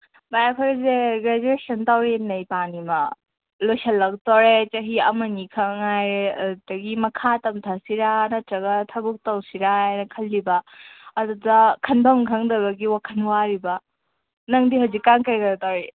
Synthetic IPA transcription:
bajakʰaɾzeɡɾed͡ʒuesɐntawɾinɐjpanimɐ | lojsɐlːɐk̚tɔɾet͡ʃɐɦiɐ̰mɐnikʰɐŋŋajdɐɡimɐkʰatɐmtʰasiɾanɐtɾɐɡɐtʰɐbuk̚tɐwsiɾajnɐkʰɐlːibɐːdudɐkʰɐndɔŋkʰɐŋdɐbɐɡiwakʰɐnwaɾibɐ | nɐŋdiɦawzikːaŋkɐjɡɐɾtawɾi

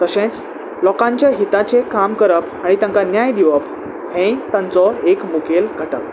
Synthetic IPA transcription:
t̪əɕẽt͡s | lɔkãɲt͡ɕjaɦit̪at͡ɕekamkəɾəpaɽ̃it̪ãŋkanjajd̪iʋəp | hẽt̪ãnt͡sɔekmukelɡʱəʈə̰ʋ

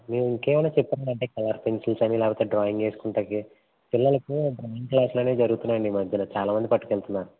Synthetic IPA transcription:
meːɾuiŋkeːmɐnɐːt͡ʃɛpːɐːɖɐɳʈe̞ːkɐlɐɾpensilsɐnilɛːkpɐːt̪eːɖɾaːjiŋɡe̞ːsu̥kuɳʈaːki | pilːɐlɐkubɾaːiŋklaːsloːne̞ːd͡ʒɐɾuɣɡut̪unːaːɳɖimɐd̪ʱɐnɐt͡ʃaːlaːmɐnd̪ipɐʈːukeɭt̪unːaːnu

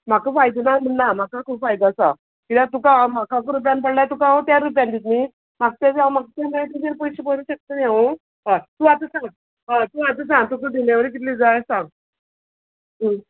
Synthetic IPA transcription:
m̤akəfajd̪unam̤əɳnam̤akakʰuːbfajd̪asa̰ | kit̪ãt̪̬ukamakʰakɾup̬jãnpəɽlat̪ukãt̪jaɾːup̬jand̪it̪ni | maɡ̚t̪ad͡zãmaɡ̚t̪aɡəit̪ud͡ʑeɾpɔjɕibəluɕək̚t̪ənjeʋu | ɦãt̪uːat̪əsãŋɡ | ɦãt̪uat̪əs̬ãŋɡ̚t̪ukəd̪ʱiljaʋəɾikit̪liːd͡zajsãŋɡ | ɦə

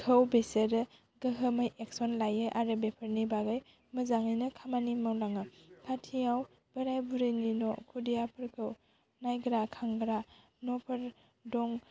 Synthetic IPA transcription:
kʰəwbeseɾɯ | ɡəɦəmajek̚sɔnlajɯʔaɾɯbepʰəɾnibaɡaj | mɯzaŋinɯkʰamanimawlaŋɯpʰatʰijaw | b̥əɾajbuɾɯninɔkʰudijapʰɯɾkʰɯw | najɡɾakʰaŋɡɾa | nɔpʰɐɾ | dɔŋ

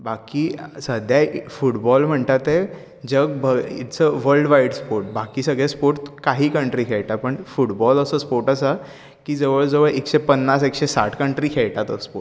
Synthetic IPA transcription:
bakiːsəd̪ʱjafuʈbɔlm̤əɳt̪at̪e | d͡ʑəɡ̚bəḭt̪t͡səʋəlɖʋaiɽspoɾʈ̚bakiːsəɡɭespoɾt̪kaɦiːkəɳʈɾiːkʰeɭʈ̪apəɳfuʈbɔləsəspoɾʈəsa | kiːd͡zəʋəɭd͡zəʋəɭʔekɕepənːasekɕesa̰ʈʰkəɳʈɾiːkʰeɭʈ̪at̪əspo

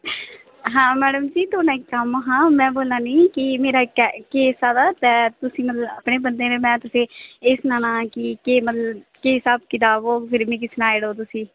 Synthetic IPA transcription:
ɦãːmɛːɽəmd͡ʒiːt̪oːnãːɪkːəmɦãːmɛ̃ːboːlãːniːkɪmeːɾaːkɛkeːsaːd̪aːt̪ɛːt̪ʊsĩːmət̪ləbəpɳeːbənd̪eːɾemɛ̃ːt̪ʊsẽːɪsnaːnãːkɪkeːmət̪ləbkeːɦɪsaːbkɪt̪aːboːpʰɪɾmĩːk̬ɪsnaːeːɽoːt̪̬ʊsĩː

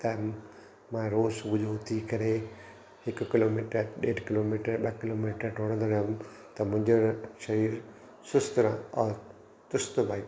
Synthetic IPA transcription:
t̪ɐ | mãɾoːsʊbʊd͡ʒoʊt̪ʰikɐɾe | hɪkkɪloːmiːʈəɗeːʈkɪloːmiːʈəɾɓɐkɪloːmiːʈəɾʈoːɽ̃nd̪ɐna | t̪ɐmʊ̃ɪ̃ɲd͡ʑoʃɐɾiːɾ | sʊst̪ɾãɔːɾ | t̪ʊst̪baːi

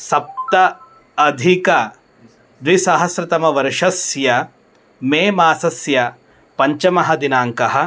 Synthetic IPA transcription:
sɐp̚t̪ɐ | ɐd̪ʱikɐ | d̪ʋisaːɦɐsɾɐt̪ɐmɐʋɐɾʂɐsjɐ | meːmaːsɐsjɐ | pɐɲt͡ʃɐmɐɦɐd̪inaːŋkɐɦɐ̆

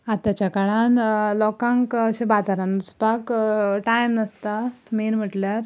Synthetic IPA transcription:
at̪ːjat͡ɕjakaɭãnlɔkãŋkəɕẽbat̪aɾãnəspakʈajməst̪amenm̤əʈljaɾ

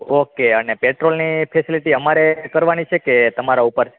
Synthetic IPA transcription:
okeənepeʈɾolnipʰesiliʈiəmaɾekəɾʋanit͡ʃʰeket̪əmaɾaupəɾ

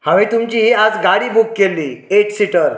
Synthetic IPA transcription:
hãʋĩt̪umt͡ɕiːad͡zɡaɽiːbukːelːiːeʈsiʈəɾ

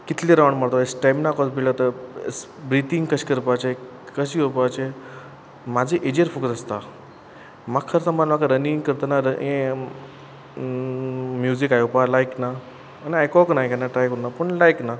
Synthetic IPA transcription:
kit̪liɾaʋɳmaɽt̪ɔesʈamnakɔt͡sbiɭlət̪əs | bɾit̪iŋɡkəɕkəɾpat͡ɕe | kəɕiopat͡ɕe | mad͡zʱeʔed͡ʑeɾfukd͡zəst̪a | makkʰːəɾsəmbanmakaɾəniŋɡkəɾt̪ənaɾəẽ | mjuzikajupalajknaː | niajkɔknaɦikanaʈajkunːapəɳlajkna

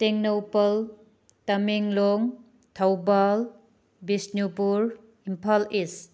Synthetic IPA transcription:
teŋnowpɐl | tɐmiŋloŋ | tʰawbal | bisnupuɾ | impʰalis

